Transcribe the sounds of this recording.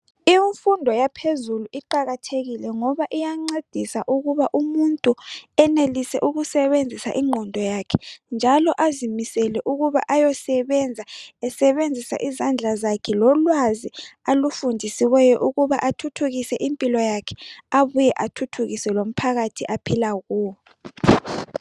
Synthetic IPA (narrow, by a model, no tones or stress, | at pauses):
iɱfundʱɔjapʰezuluʔiǃaɣatʰeɣilɛŋɔβaʔijaŋ͡ǀed̥ʱisaʔuɣuβaʔumuntʼuɛnelisɛ̰ʔuɣusɛβend͡zʱisa̰ʔiŋ͡ǃʱɔndʱɔjakʰɛ̥nd͡ʒʱalɔʔazimisɛlɛʔuɣuβa̰ʔajɔsɛβɛnd͡zʱaɛsɛβend͡zʱisa̰ʔizand͡ɮʱazakʰɛlɔlwazialufundʱisiwɛjɔʔuɣuβaʔatʰutʰuɣisɛʔimpʼilɔjakʰɛ̥aβujɛʔatʰutʰuɣisɛlom̩pʰaɣatʰiʔapʰilaɣuːɔ